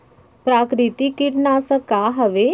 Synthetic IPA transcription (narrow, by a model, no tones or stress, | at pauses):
pɾaːkɾit̪ikiʈnasəkaɦɐʋe